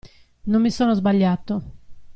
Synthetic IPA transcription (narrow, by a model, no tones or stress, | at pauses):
nomːisɔːnozbaʎːat̪ːo